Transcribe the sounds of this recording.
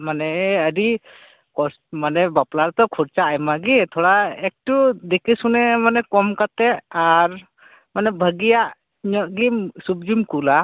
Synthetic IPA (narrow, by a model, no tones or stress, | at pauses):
manɛəɾi | kɔsmanɛbaplaɾt̪ɔkʰɔɾt͡ʃaːjmaɡit̪ʰɔɽaɛk̚tud̪ekisunɛmanɛkɔmkat̪ɛaɾ | manɛbʱəɡijaʔ | ɲɔʔɡimsub̚d͡ʒimkula